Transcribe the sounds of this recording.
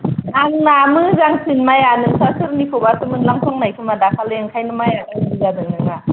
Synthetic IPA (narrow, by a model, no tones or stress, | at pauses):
naŋnamɯzaŋsinmajanɯŋsasɯɾnikʰobasɯmɯŋlaŋtʰɔŋnajkʰɯmadakʰalɯjɯŋkʰajnɯmajaɡanizadɯŋnɯŋna